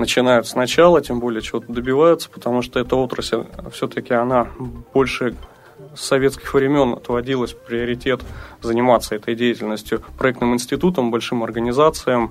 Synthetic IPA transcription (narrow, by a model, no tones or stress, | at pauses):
nət͡ɕɪnajʊt̪snɐt͡ɕalˠətʲembo̞lʲɪjət͡ɕɪvo̞t̪əd̪əbʲɪvajʊt̪sə̥pə̥t̪ɐmuʂt̪oɛt̪əo̞t̪ɾəsʲɪlʲfsʲɵt̪əkʲɪɐnab̥o̞lʲʂɨ | sɐvʲe̞t̪skʲɪxvɾʲɪmʲo̞nɐ̰t̪vɐdʲilˠəsʲpɾʲɪəɾʲɪtʲe̞t̪zənʲɪmat̪sːəɛt̪əjdʲejɪtʲɪlʲnəsʲtʲjʊpɾɐɛkt̪nɨmɨnʲsʲtʲɪt̪ut̪əmbɐlʲʂɨmɐrɡənʲɪzat̪sɨjəm